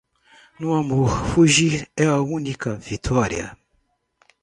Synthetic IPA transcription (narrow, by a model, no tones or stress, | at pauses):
nuamufuʒiɛwaunikavitʰɔɾḭa̰